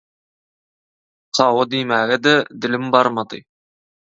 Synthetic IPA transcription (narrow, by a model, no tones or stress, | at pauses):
sʰɑwəd̪imæɡʲɪd̪əd̪ɪ̆lɪmbɑɾmɑd̪ɨ̰j